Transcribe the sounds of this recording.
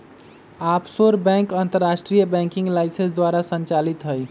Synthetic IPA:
apsoɾbɛ̃ŋkant̪əɾːasʈɾijəbɛ̃ŋkĩŋɡlaɪsə̃nsd̪waɾasə̃nt͡ʃalit̪ɦəj

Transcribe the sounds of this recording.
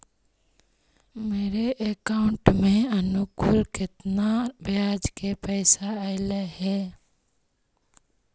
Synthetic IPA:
meːɾeʔekaʊ̃ɳʈmẽənukʊlkɪt̪nabjad͡ʒkepɛɪsaaɪleɦɛ

